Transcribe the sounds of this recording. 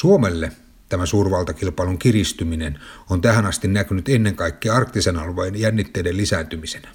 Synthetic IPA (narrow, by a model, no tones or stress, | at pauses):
suomelːe | t̪æmæsuːrʋɑlt̪ɑkilpɑˑluŋkirist̪yminenont̪æhænɑst̪innækynyt̪enːeŋkɑikːiɑrkt̪isenɑlʋɑinjænːit̪ːeidellisænt̪ymisenæ